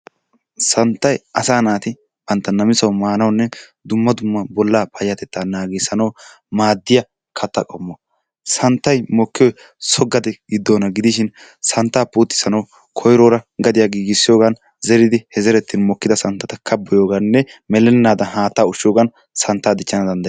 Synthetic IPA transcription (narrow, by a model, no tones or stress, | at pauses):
sɐnt̪ːɐjɐsaːnaːt̪ɪ | b̥ɐnt̪ːɐnɐmɪsɐwmaːnɐwnːɛd̪ʊmːɐd̪ʊmːɐbɔlːaːpʰɐjjɐt̪ɛt̪ːaːnaːɡɛsɐnɐw | maːd̪ːɪjɐ | kʰɐt̪ːɐkʼɔmːɔ | sɐnt̪ːɐjmɔkːɪjɔj | sɔɡːɐd̪ɛɡɪd̪ːoːnɐɡɪd̪ɪʃɪn | sɐnt̪ːaːpuːt̪ːɪ̥sɐnɐw | kʰɔjɾoːɾɐɡɐd̪ɪjaɡiːɡɪsːɪjoːɡɐn | zɛɾɪd̪ɪhɛzɛɾɛt̪ːɪnmɔkːɪd̪ɐsɐnt̪ːɐt̪ɐkʰɐbːɔjoːɡɐnːɛmɛlɛnːaːd̪ɐɦaːt̪ːaːʊʃːɪjoːɡɐn | sɐnt̪ːaːd̪ɪt͡ʃːɐnɐd̪ɐnd̪ɐ